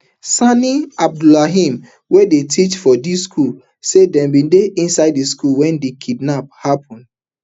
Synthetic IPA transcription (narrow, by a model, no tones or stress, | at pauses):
saniab̚dulaɦĩm | wedetʰit͡ʃfɔdiskʰul | sedɛ̃mbĩndeʔĩnsaɪd̚diskulwɛ̃ndikʰidnap̚hapʰɔ̃nd